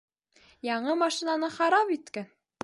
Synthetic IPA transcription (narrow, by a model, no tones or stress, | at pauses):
jɑɴɤmɑʃinanɤχɑɾɑpit̪kæn